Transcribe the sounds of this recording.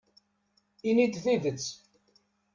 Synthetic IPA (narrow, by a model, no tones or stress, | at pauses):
inid̪θivət͡sː